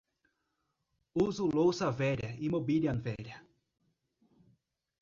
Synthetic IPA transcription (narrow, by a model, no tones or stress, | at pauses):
uzulowsɐvɛɾʲjɐimobiliɐ̃nvɛɾjɐ